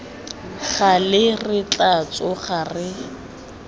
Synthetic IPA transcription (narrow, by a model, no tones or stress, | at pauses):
χalɪrɪt͡ɬat͡sʼɔχarɪ